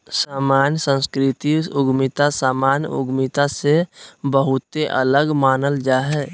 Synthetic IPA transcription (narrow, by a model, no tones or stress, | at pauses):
saːmaːnjsə̃nskɾɪt̪iʊɡmɪt̪asaːmaːnjʊ̰ɡmɪt̪asebəɦʊt̪eʔə̰ləɡmaːnəld͡ʒaːɦɛː